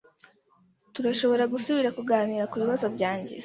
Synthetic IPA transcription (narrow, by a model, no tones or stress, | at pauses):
tuɾaʃo̞βo̞ɾaɡusuβiɾakuɡaːniːɾakuβiβazo̞bɟaːɲɟe̞̰